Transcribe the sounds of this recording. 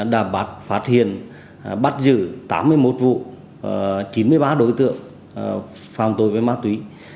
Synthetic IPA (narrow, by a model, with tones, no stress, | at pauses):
ɗaː˧˩ɓa˦˥t̚faː˦˥t̚hḭ˧˨ən | ɓa˦˥t̚zɨ˧˩t̪a̰ː˨˦mːɨ˧əjmo˨˦˩t̚vṵ˧˨ | t͡ɕi˨˦nmɨ˧əjɓaː˨˦ɗo˨˦jt̪ɨ̰˧˨əŋ | faː˨˩mt̪o˨˧˩jvəː˨˦jmaː˧˦˥t̪wi˨˦